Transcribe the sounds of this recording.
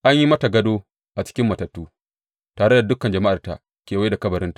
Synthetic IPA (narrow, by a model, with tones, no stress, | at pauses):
ʔa˦ɲji˦mɐ˦ta˨ɡɐ˦doː˦ | ʔa˨t͡ʃɪ̥˦kʲɪ˦mːɐ˨tɐ˨tːuː˦ | taː˨ɽe˦da˨dʊ˦kɐ˨nd͡ʒɐ˨ma˦ʔa˨rta˨ | kʲeː˨wa˦da˨kɐ˦bɐ˨ɾɪ˦ntḁ˨